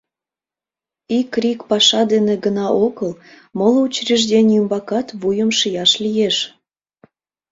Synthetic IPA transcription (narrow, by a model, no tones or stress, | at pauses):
ikrʲikpɑʃɑd̪eneɡənɑʔoɣəl | molut͡ɕriʒd̪ʲenʲymbɑkɑt̪βujəmʃijɑʃlʲijeʃ